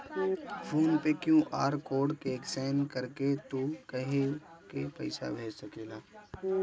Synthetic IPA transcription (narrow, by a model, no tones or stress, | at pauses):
fʰoːnpekjũʔaːɾkoːɖkeksɛːmkɐɾket̪ukɐɦekepɐɪsa̰bʱeːd͡ʒsɐkeːlaː